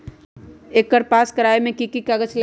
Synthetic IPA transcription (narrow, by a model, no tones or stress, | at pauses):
eːkːəɾpaːskɐɾaːemẽkikikaɡət͡ʃl